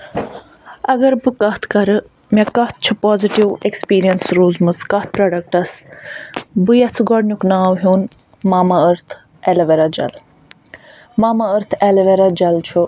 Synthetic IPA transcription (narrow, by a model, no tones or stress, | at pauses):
ɐɡɐɾbɨkɐht̪ʰkɐɾɨ | mekɐht̪̚t͡ʃʰupoːziʈiwekspiːɾijɐnsɾuːzmɨskɐt̪̚ʰpɾaːɖɐk̚ʈɐs | bɨjɐt͡sʰɡɔɽnuknaːwɦuːn | maːmɐəɾt̪ʰ | ɛlɐʋeɾad͡ʒɐ̰l | maːmɐəɾt̪ʰɛlɐʋeɾad͡ʒɐlt͡ʃʰu